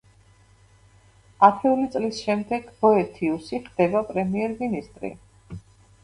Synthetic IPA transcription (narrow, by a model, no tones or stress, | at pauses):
ap̪ʰɛulit̪sʼlisʃɛmd̪ɛɡbɔɛt̪ʰiusiχd̪̥ɛbapʼɾɛmiɛɾminist̪ʼɾḭ